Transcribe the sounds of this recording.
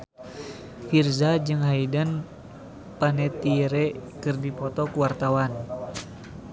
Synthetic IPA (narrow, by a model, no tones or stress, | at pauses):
firzad͡ʒɨŋɦaidan | panɛt̪iɾɛkɨrdipɔt̪ɔkuwart̪awan